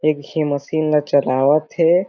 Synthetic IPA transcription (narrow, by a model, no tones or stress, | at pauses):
eːkɦimɐsiːnlat͡ʃɐlaːʋət̪ɦɛ